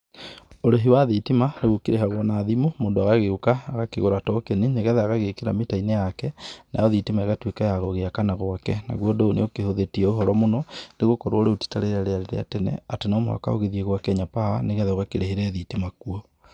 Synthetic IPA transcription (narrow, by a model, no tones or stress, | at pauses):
oɾeɦiwaðitimaneɣokeɾeɦaɣwɔnaːðimomoːndoaɣaɣeukaːɣakeɣoɾatɔkenineɣɛðɛaɣaɣekeɾametainejakɛnajɔðitimaeɣatwekajaɣɔɣeakanaɣwakɛ̰na̰ɣwɔdoonḛokehoðetiɛoɦɔɾɔmonɔneɣokɔɾwɔoɾeoti̥taɾeɾaɾeaɾeɾḛa̰tɛnɛ̰atenamoa̰ka̰o̰ɣeðieɣwakɛɲapaaneɣɛðɛɣakeɾeɦeɾɛðitimakuɔ